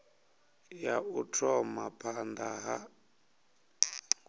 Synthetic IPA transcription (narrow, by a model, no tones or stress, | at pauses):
jautʰɔmapʰand̪aɦa